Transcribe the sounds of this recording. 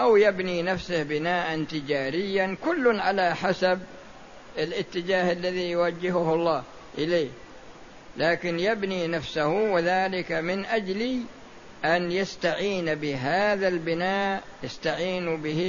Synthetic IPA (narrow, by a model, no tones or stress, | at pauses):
ʔawjabninafsɪhbɪnaːʔant̪ɪd͡ʒaːɾɪjːankʊlːʊnʕalaħasab | ɪlʔɪt̪ːɪd͡ʒaːhalːaðijʊwad͡ʒːɪɦʊhɑlˤːɑː | ʔɪleːh | laːkɪnjabninafsahwɪðaːlɪkamɪnʔad͡ʒli | ʔanjast̪aʕiːnbɪɦaːðalbɪnaːʔ | jast̪aʕiːnbɪhi